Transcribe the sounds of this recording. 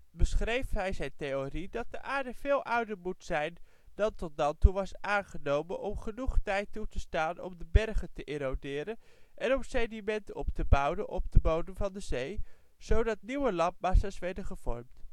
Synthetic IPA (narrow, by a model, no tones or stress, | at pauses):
bəsχrejfɦɛjzɛjntejoridɑt̚dəʔaːɹdəvɪːlˠʔʌwdəɹmutsɛjn | dɑntɔt̚dɑntuʋɑsʔaːnχənowmənʔɔmχənuχtɛjtutəstaːnɔ̰mdəbɛrχəntəʔɪːɾowdɪːɾənʔɛnɔmsɛdimɛntəɔptəbʌwdənʔɔ̰b̚dəbowdənvɑndəzej | z̥owdɑt̚niwəlɑmp̚maːsasʋɛɹdəχəv̥ɔ̰ɹmt